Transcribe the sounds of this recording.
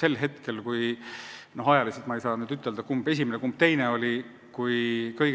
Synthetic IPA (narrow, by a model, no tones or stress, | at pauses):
se̞lːɦe̞t̪ke̞lkuj | no̞ɦɑjɑliset̪mɑejsɑːnyːd̪yt̪ːˑe̞ld̪ɑkumbe̞s̬ʲimenekumb̥̚t̪e̞jneo̞lʲi | kujkɤjɡ